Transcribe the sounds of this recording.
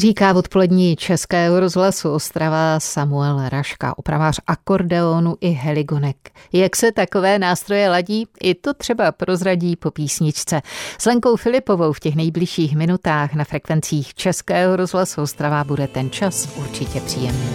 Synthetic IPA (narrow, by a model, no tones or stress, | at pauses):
riːkaːvo̞t̪po̞lɛdɲiːt͡ʃɛskɛːɦoɾo̞zɦlasuost̪ɾavasamuɛlɾaʃka̰ʔopɾa̰vaːrʔako̞ɾdɛonuʔɪɦɛlɪɡo̞nɛkjaksɛt̪ako̞vɛːnaːst̪ɾo̞jɛlaɟiːʔɪt̪o̞t̪r̝̥ɛbapɾʔo̞zɾaɟiːpo̞piːsɲɪt͡ʃt͡sɛz̥lɛŋko̞wfɪlɪpo̞vo̞wfcɛxnɛjblɪʃiːxmɪnut̪aːxnafɾɛkvɛnt͡siːxt͡ʃɛskɛːɦoɾo̞zɦlasuost̪ɾavabudɛt̪ɛnt͡ʃasʔuɾt͡ʃɪcɛpr̝̥iːjɛmniː